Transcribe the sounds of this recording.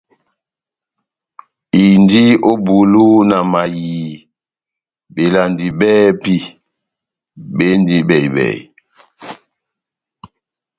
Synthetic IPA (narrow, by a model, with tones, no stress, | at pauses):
i˨ndi˦o˦bu˨lu˦na˨ma˨jiː˨ | be˨la˨ndi˨bɛː˦pi˦ | be˦ndi˦bɛ˨i˨bɛ̰˨